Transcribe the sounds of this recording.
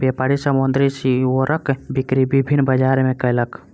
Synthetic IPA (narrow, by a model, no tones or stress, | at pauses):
bjepaːɾisəmʊnd̪ɾisioɾəkbikɾibibʱinːbəd͡ʒaːɾmẽkəjlək